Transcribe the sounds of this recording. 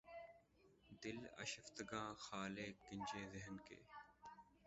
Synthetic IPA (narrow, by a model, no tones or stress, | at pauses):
d̪ɪlɐ̰ʃəft̪əɡãːxaːleːkːɪɲʲd͡ʒeːzɪɦənkḛː